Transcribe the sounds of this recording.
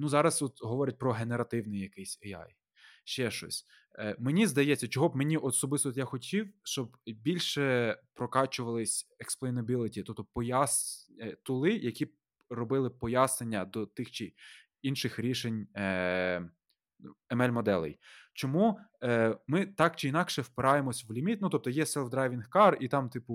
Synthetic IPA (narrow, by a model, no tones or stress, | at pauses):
nuzɑɾɐsɔt̪ɦɔʋɔɾʲɛt̚ʲpɾɔɦeneɾɐt̪ɪwnɪjɐkɪjsʲɛɑ̰j | ʃt͡ʃɛʃɔ̰sʲ | menʲizd̪ɐjɛt͡sʲːɐt͡ʃɔɦɔbmenʲiʔɔsɔbɪst̪ɔt̪jaxɔtʲiwʃt͡ʃɔbbʲilʲʃɛpɾɔkɑt͡ʃʊʋɐlˠɪsʲeksplˠɔinɐbʲilˠɪtʲit̪ɔp̚t̪ɔpɔjɑst̪ʊlˠɪjɐkʲi | rɔbɪlˠɪpɔjɑsnenʲːɐd̪ɔt̪ɪxt͡ʃɪ | inʃɪxɾʲiʃenʲ | ɛmɛlʲmɔd̪ɛlˠɪ̰jt͡ʃɔmu | mɪt̪ɑk̚t͡ʃɪinɑkʃɛwpɪɾɑjemɔsʲʋlʲimʲit̪̚nut̪ɔpt̪ɔjɛsɛlˠfd̪ɾɑjʋʲinxkɑrit̪ɑmt̪ɪpʊ